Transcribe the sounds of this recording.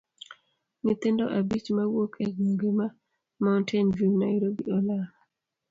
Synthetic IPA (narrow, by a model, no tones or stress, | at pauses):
nɪt̪endo̰ʔabit͡ʃmawokʰɛknoŋɡema | maʊntʰɛnvinaɪɾobḭɔla